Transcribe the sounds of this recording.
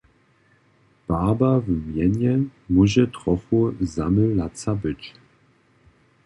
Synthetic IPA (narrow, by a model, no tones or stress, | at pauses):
b̥aːbavmjɛɲjɛmuʑɛtʁɔfuzaməlat͡sabət͡ɕ